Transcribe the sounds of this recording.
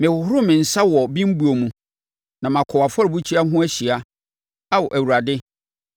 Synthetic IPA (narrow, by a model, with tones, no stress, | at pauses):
mɪ̃˨wʊ˨ɦʊ˦ɾʊ˦mɪ̃˨n̩˨sa˦wɔ˨bĩ˦m̩˦bu˦o˨mũ˨ | nã˨m˨ã˨kʰɔ˨wa˨fɔ˦ɾɪ˨bu˦t͡ɕʰi˦a˦ɦʊ̃˦æ˦ɕi˨a˦ | a˦wɔ˨ʔæ˨wu˨ɾa˨dɪ˦